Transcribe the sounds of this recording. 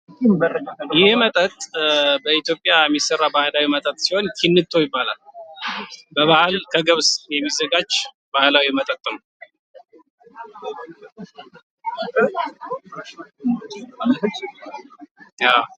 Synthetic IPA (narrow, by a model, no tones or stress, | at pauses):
jɪhmət̪ʼət̪ʼbəit̪jo̞pʼːjajɛmːisərːabahlawimət̪ʼət̪ʼsiho̞nkʰinːɨt̪ʰːo̞jɪbːala̰l | bəβahalkʰəɡəβsjɛmːizːəɡad͡ʒ | bahlawimət̪ʼət̪ʼːəm | a